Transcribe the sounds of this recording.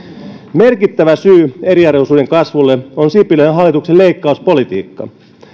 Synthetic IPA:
merkit̪ːæʋæsyːeɾiɑroisuːde̞ŋkɑsʋulːeonsipileenɦɑlːˑit̪ukselleikːɑuspo̞lit̪ḭːkːɑ̰

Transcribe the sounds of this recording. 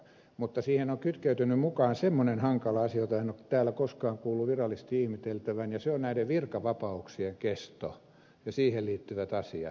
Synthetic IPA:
mut̪ːɑsiːhenoŋkyt̪kæyt̪ynːymmukɑːnsemːonenhɑŋkɑlɑɑsiɑjot̪ɑinokt̪æːlːækoskɑːŋkuːlːuʋirɑlːist̪iihmit̪elt̪æʋænjɑseonnæiɾeʋʋirkɑʋɑpɑuksieŋkest̪o̰ | jɑsiːhelliːt̪ːyʋæt̪ɑsiɑ̰

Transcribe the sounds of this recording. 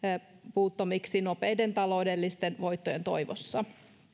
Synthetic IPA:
puːt̪ːomiksino̞peːde̞nt̪ɑlo̞wdelːist̪enʋo̞jt̪ːoje̞nt̪o̞̰jʋo̰sːɑ

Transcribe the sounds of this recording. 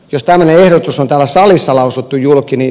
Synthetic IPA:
jost̪æmːøneehɾot̪usont̪æːlæsɑlisːɑlɑusut̪ːujjulkini

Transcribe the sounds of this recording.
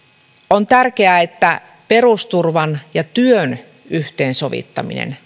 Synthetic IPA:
ont̪ærkeæet̪ːæ | pe̞ɾust̪urʋɑnjɑt̪yøn | yht̪eːnso̞ʋḭt̪ːɑmḭnḛn

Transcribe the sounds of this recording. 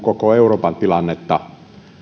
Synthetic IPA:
kokoeuroːpɑnt̪ilɑnːet̪ːɑ

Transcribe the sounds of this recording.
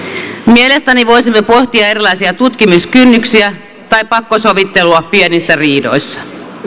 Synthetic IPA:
miele̞st̪æniʋo̞jsimːepo̞ht̪iɑe̞ɾilɑjsiɑt̪ut̪kimuskynːyksiæ | t̪ɑjppɑkːo̞so̞ʋit̪ːe̞luɑppienisːæriːdo̞̰jsːɑ̥

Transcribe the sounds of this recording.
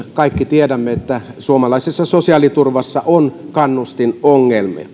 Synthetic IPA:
kɑikːit̪iedæmːeet̪ːæsuomɑlɑˑisesːɑsosiɑlit̪urʋɑsːɑʔonkɑnːust̪inoŋːelmḭ

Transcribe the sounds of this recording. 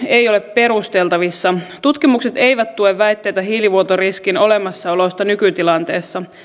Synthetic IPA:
e̞ijo̞le̞ppe̞ɾust̪e̞lt̪ɑʋisːɑt̪ut̪kimukse̞t̪e̞iʋæt̪t̪ːueʋːæjt̪ːe̞jt̪æɦiːliʋuot̪oriskino̞lemɑsːɑo̞lo̞st̪ɑnykyt̪ilɑnt̪e̞ːsːɑ

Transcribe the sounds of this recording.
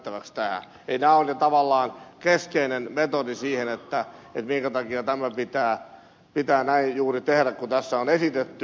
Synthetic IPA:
t̪ːæʋækst̪æhæ̰ | einæːolʲjot̪ɑʋɑlːɑːnkeskeinenmet̪odisiːhenet̪ːæet̪miŋkæt̪ɑkiɑt̪æmæpit̪æː | pit̪æːnæijjuːrit̪ehɾækkut̪æsːæonesit̪et̪ːy

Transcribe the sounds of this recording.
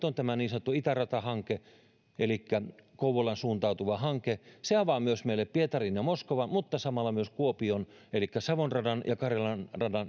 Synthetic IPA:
t̪ont̪æmæniːnsɑn̆t̪ːuit̪ærɑt̪ɑhɑŋke | ʔelikːækouwolːɑnsuːnt̪ɑut̪uʋɑhɑŋkeseɑʋɑmyøsmeileppiet̪ɑrinjɑmoskoʋɑnmut̪ːɑsɑmɑlːɑmyøskuopion | elikːæsɑʋonrɑdɑnjɑkɑrjɑlɑnrɑdɑn

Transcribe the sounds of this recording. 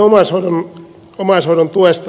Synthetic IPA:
omɑshoˑiɾon | omɑshoˑɾont̪uest̪

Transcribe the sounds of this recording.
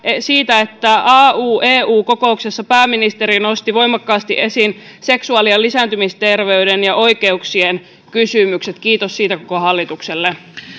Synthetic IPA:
siːt̪æet̪ːæʔɑːuːʔeːuːko̞ko̞uksesːɑpæːmːinist̪e̞ɾino̞st̪iʋo̞jmɑkːɑːst̪iʔe̞sinse̞ksuɑlielːisæːnt̪ymist̪e̞rʋe̞ydenjɑʔo̞jkeuksien | kysymykse̞t̪kiːt̪ossiːt̪ækokoɦɑlːit̪ukselːe

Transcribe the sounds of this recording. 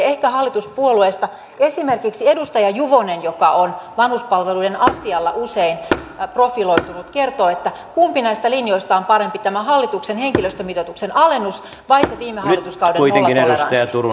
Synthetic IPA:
ehkæhɑlːit̪uspuolueːst̪ɑ | esimerkiksiedust̪ɑjɑjuʋonenjokɑonʋɑnhuspɑlʋeluidenɑsiɑlːɑ̰ʔuseinprofiloit̪unut̪ke̞rt̪oːet̪ːækumpinæist̪ælinjoist̪ɑompɑɾempit̪æmæhɑlːit̪uksenheŋkiløst̪ømit̪ot̪uksenɑlenːus | ʋɑiseʋiːmːehɑlːit̪uskɑudeuioeŋlːɑineuesɑ̰t̪ɑjɑt̪uru

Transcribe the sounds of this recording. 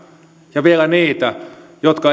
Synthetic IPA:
jɑʋielæniːt̪æ | jot̪kɑ

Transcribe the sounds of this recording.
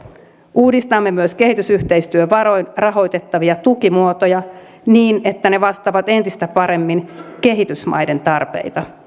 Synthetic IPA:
ʔuːdist̪ɑmːe̞myøske̞ɦit̪ysyht̪e̞jst̪yøʋɑɾo̞jnrɑɦo̞jt̪e̞t̪ːɑʋiɑt̪ukimuot̪o̞jɑ | niːne̞t̪ːæne̞ʋɑst̪ɑʋɑt̪e̞nt̪ist̪æpɑɾe̞mːinke̞ɦit̪ysmɑ̰jde̞nt̪ɑrpe̞̰jt̪ɑ

